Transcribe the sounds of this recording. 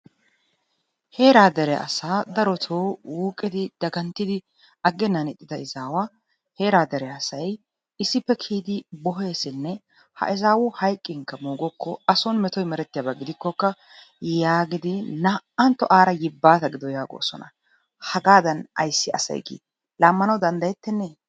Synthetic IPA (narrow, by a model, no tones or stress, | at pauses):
he̞ːɾaːd̪ɛɾɛʔɐ̰saːd̪ɐɾɔt̪ʰoːwuːkʼːɪd̪ɪd̪̥ɐɡɐnt̪ːɪd̪ɪ | ʔɐɡːɛnːɐnɪt̪ʼːɪd̪ɐɪzaːwaː | he̞ːɾaːd̪ɛɾɛɐsɐj | ɪsːɪpːɛkʰiːd̪ɪbɔɦeːsɪnːɛ | hɐ̰ʔɪzaːwʊhɐjkʼːɪŋkːɐmuːɡɔkʰːɔɐsɔnmɛt̪ɔjmɛɾɛt̪ːɪjaːbɐɡɪd̪ɪkːɔkːɐ | jaːɡɪd̪ɪnɐʔɐnt̪ːɔʔaːɾɐjɪbːaːt̪ɐɡɪd̪ɔjaːɡo̰ːsɔ̰nɐ | hɐɡaːd̪ɐnɐ̰jsːɪʔɐ̰sɐ̰jɡḭː | laːmːɐnɐwd̪ɐnd̪ɐjɛt̪ːɛnːɛ